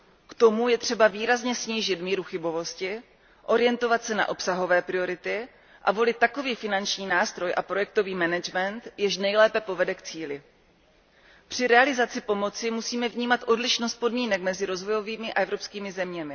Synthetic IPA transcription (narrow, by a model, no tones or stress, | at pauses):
kt̪o̞mujɛt̪r̝̥ɛbaviːɾazɲɛsɲiːʒɪt̪miːɾuxɪbo̞vo̞scɪ | ʔo̞ɾɪjɛnt̪o̞vat̪sɛna̰ʔo̞psaɦo̞vɛːpɾɪo̞ɾɪt̪ɪ | ʔavo̞lɪt̪ːako̞viːfɪnant͡ʃɲiːnaːst̪ɾo̞jʔapɾo̞jɛk̚t̪o̞viːmɛnɛd͡ʒmɛnt̪jɪʃnɛjlɛːpɛpo̞vɛdɛkt͡siːlɪ | pr̝̥ɪɾɛalɪzat͡sɪpo̞mo̞t͡sɪmusiːmɛvɲiːmat̪ʔo̞dlɪʃnost̪̚po̞dmiːnɛkmɛzɪɾo̞zvo̞jo̞viːmɪʔa̰ʔɛvɾo̞pskiːmɪzɛmɲɛmɪ